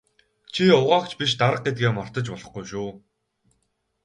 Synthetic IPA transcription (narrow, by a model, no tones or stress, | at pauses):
t͡ɕʰiʊʁaːkt͡ɕpiʃ̬t̪aɾə̆q̚ɡet̪̚ɡeːmɔr̥t̪ə̆t͡ɕpɔɮɞ̆χɡujʃuː